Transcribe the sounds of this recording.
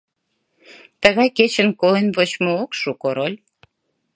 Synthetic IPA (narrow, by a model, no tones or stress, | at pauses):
t̪əɣɑjket͡ɕənkolenβot͡ɕmookʃukoɾolʲ